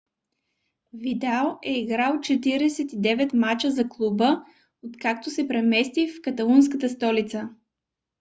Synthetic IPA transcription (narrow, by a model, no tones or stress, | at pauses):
vit̪alˠɛiɡɾalˠt͡ʃɛt̪iɾɛsɛt̪id̪ɛvɛt̪mat͡ʃəzɐklˠubə | ot̪kakt̪ʊsɛpɾɛmɛst̪ifkɐt̪ɐlˠuns̬kət̪əst̪ɔlit̪sə